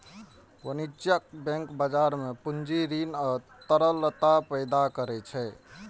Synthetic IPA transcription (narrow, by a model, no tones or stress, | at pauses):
wənid͡ʒjək̚bɛ̃ŋkbəd͡ʒaɾmepund͡ʒiɾinə | t̪əɾələt̪apəɪd̪akəɾɛt͡ʃʰɛ